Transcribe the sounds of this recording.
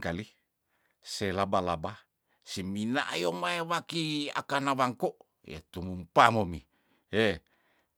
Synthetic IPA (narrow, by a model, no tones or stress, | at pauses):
kali | selabalaba | siminaʔajomaewakia̰kanawaŋkoʔ | jḛt̪umumpamomi | e